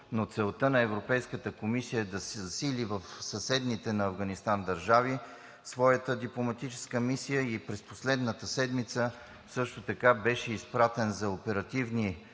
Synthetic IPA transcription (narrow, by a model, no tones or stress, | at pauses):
not̪sɛlˠt̪ɤnɐɛvɾopɛjskət̪əkomisijəd̪ɐsɛzɐsilivəfsɐsɛd̪nit̪ɛnɐːvɡɐnist̪and̪ɐɾʒavi | svɔjət̪əd̪iplˠomɐt̪it͡ʃɛ̥skəmisijəipɾɛspo̥slɛd̪nət̪əsɛd̪mit̪sə | sɤʃt̪ot̪ɐkabɛʃɛispɾat̪ɛnzɐopɛɾɐt̪ivni